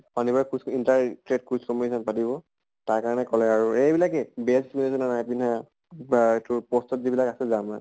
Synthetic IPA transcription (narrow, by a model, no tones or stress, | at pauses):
panibaɹkusintaɹtɹet̚kuskɔmɔisʰɔnpatiβɔ | taɹkaɹɔnɛkɔlɛaɹuejbilakɛbɛlskunɛsɔnanajpina | etʊpɔstɔtzibilakasɛzama